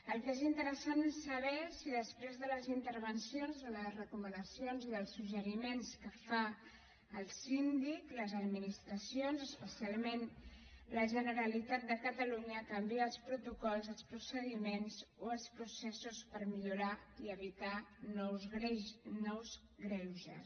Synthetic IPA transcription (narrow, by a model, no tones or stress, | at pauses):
əlˠkezint̪əɾəsanesːəβ̞ɛsiðəspɾezðələzint̪əɾβənsionzðələzrəkumənəsijonziðəlˠsːuʒəɾimenskəfa | əlˠsind̪ikləzəd̪minist̪ɾəsionzəspəsialˠmenləʒənəɾəlit̪at̪̚d̪əkət̪əluɲəkəmbiəːlˠspɾut̪ukɔlˠzəlˠspɾusəðimenzoəlˠspɾusɛsuspəɾmiʎuɾaiəβit̪anɔwzɾɛnɔwz | ɣɾɛwʒə̰s